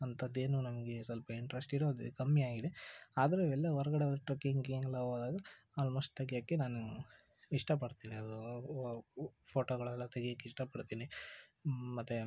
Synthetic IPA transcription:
ɐnt̪ʰɐd̪ːe̞ːnunɐmɐɡe̞sɐlpɐiɳʈɾesʈiɾoːd̪id̪kɐmːijaːɡid̪eaːd̪ɐɾeiʋɛlːɐʋɐɾɐɡɐɽeʋɐd̪ɐʈɾɐkːiŋɡieŋɡlaoːd̪aːɡɐ | aːlmoːsʈ̚t̪ɐɡjaːkːenaːnu | iʂʈɐpɐɽt̪iːniɐd̪u | pʰoːʈoɡɐɭɛlːɐt̪ɐɡɛjaːkːeiʂʈɐpɐɽt̪iːni | mɐt̪ːu

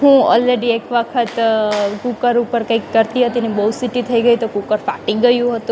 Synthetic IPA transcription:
ɦũɔ̰lɾeɖiekʋəkʰət̪kukəɾupəɾkə̃ikːəɾt̪iɦət̪inibəusiʈit̪ʰəiɡəit̪okukəɾfaʈiɡəjũɦət̪ũ

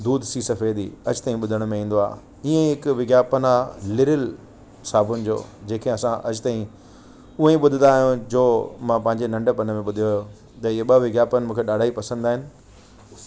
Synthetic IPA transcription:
d̪uːd̪ʱsisɐfeːd̪ḭɐd͡ʑʊt̪aːĩɓʊd̪ʱəɽ̃mẽĩːn̆d̪oa̰ː | iẽɦɪkʋɪɡjaːpənaːlɪɾɪl | saːbʊnɪ̆d͡ʑo̰ːd͡ʑeːkʰẽɐsãʔɐd͡ʑt̪aːĩ | ʊɦẽɓʊd̪ʱɪnd̪aːɦijũd͡ʑoːmãpɐ̃ɦɪ̃ɲd͡ʑenɐ̃ɳɖəpɐnəmẽɓʊd̪ʱijojo | t̪ɐɪeɓɐʋɪɡjaːpənɪ̆mũːkʰeɗaːɖʱaːipɐsə̃nd̪aːɦɪnɪ̆

